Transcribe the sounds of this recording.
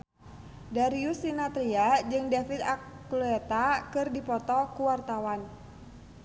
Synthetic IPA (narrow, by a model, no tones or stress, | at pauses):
daɾiusinat̪ɾiad͡ʒɨŋdefit̪akluɛt̪akɨrdipɔt̪ɔkuwart̪awan